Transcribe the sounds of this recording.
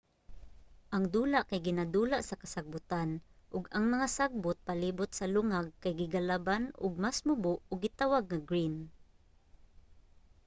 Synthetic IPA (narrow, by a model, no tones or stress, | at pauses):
ʔɐŋd̪uːlaʔkajɡɪnad̪uːlaʔsɐkɐsaɡ̚bʊt̪anʔʊɡaŋmɐŋasaɡ̚bʊt̪̚paliːbʊt̪̚sɐlʊŋaɡ̚kajɡɪɡalabanʊ̰ɡ̚masmʊbʊʔʊɡːɪt̪awaɡ̚ŋɐɡɹin